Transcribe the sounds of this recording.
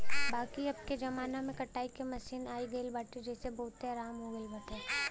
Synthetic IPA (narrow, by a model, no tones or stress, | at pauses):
baːkiɐb̚ked͡ʒɐmaːnamẽkɐʈaːikemɐsiːnaːiɡɐlbaʈed͡ʒɛːsebɐɦʊt̪ːeɾaːmɦoɡəɪlbɐʈe